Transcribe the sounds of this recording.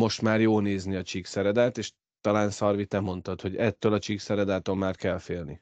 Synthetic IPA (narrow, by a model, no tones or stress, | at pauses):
mo̞ʃt̪maːrjoːlneːzniɒt͡ʃiksɛɾɛd̪aːt̪eːʃ | t̪ɒlaːnsɒrvit̪ɛmo̞nt̪ɒt̪ho̞ɟɛt̪ːøːlɒt͡ʃiksɛɾɛd̪aːt̪o̞mmaːrkɛlfeːlnḭ